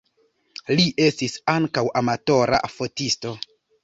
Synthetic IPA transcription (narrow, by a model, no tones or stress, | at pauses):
liʔe̞stisaŋkawʔamato̞ɾʔa̰fo̞tisto̞